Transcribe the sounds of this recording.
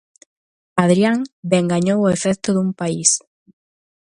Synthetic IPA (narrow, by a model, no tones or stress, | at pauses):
aðɾiaŋbeŋɡaɲowʊefɛkt̪ʊðumpais